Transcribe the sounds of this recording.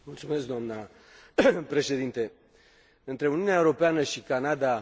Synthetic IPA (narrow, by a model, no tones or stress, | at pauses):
mult̪sumes̬kd̪oamna | pɾe̞ʃe̞d̪int̪e̞ | ɨnt̪ɾe̞uniuneaeuɾo̞peanəʃikanad̪a